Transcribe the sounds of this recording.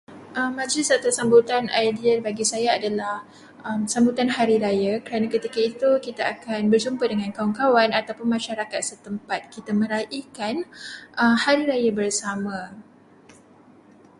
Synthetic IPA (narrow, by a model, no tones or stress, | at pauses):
ʔəmːãd͡ʒlɪsat̪usambut̪anajdiərbaɡisajaadalah | ʔəmsambut̪anɦaɾiɾajakəɾanakət̪ikait̪ukit̪aakanbərsumpadəŋãnkawaŋkawanat̪awpʊnmãʃaɾakat̪̚sət̪əmpat̪̚kit̪amə̃ɾaʔikanʔəmhaɾiɾajabərsamã